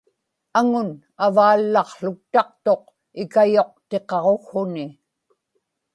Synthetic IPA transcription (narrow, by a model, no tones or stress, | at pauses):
aŋʊn | avaːlːɑχɬʊk̚t̪ɑq̚t̪o̞q̚ | ɪkajo̞q̚t̪e̞qɑʁoxhʊnɪ